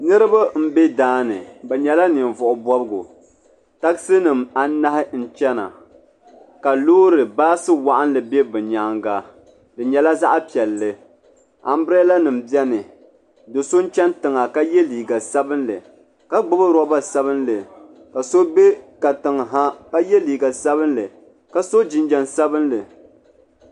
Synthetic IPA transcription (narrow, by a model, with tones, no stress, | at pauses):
nɨ˦ɾɨ˦ba˦m̩˦be˦daː˦nɨ̰˨bɛ˨ɲɛ˨la˦nɨ˨nvʊ˨ʔʊ˨bɔ˦bɨ˦ɡʊ˨ | ta˦ksɨ˦nɨ˨ma˦na˦hɪ˦n̩˦t͡ʃɛ˦na̰˨ | ka˨loː˦ɾɨ˨baː˦sɨ˦wa˨ʔa˦n˦lɨ˨be˦bɨ˨ɲa˦ŋɡa˨ | dɨ˨ɲɛ˨la˦za˦ʔa˦pi˨ɛ˨lːɨ˨ | a̰˨m˦bɾɛ˦la˦nɨ˨m̩bjɛ˦nɨ˨ | do˨so˦n̩˦t͡ʃɛ˦n˦tɨ˨ŋa˨ka˦jɛ˦liː˨ɡa˨sa˦bɨ˦nlɨ˨ | ka˦ɡ͡bʊ˦bɨ˦ɾɔ˦ba˦sa˦βɨ˦nlɨ˨ | ka˨so˦be˦ka˨tɨ˨ŋ˨ɦa˦ka˦jɛ˦liː˨ɡa˨sa˦βɨ˦nlɨ˨ | ka˨so˦d͡ʒɪ˨nd͡ʒɛ˨nsa˦bɨ˦nlɨ˨